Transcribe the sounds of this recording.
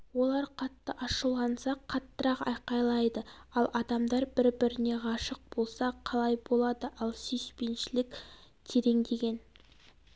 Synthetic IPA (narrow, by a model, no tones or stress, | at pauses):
wo̞lˠɑɾqʰɑt̪ːəʔɑʃəlˠːɑnsɑqʰɑt̪ːəɾɑqɑ̰jqɑjlˠɑjd̪əɑlˠʔɑd̪ɑmd̪ɑɾbɪɾbɪɾɪne̞ʁɑʃəq̚b̥o̞lˠsɑqʰɑlˠɑjbo̞lˠɑd̪əʔɑlˠsejspe̞nʃɪlɪkʲ | t̪ʰe̞ɾe̞ŋd̪e̞ɡʲe̞n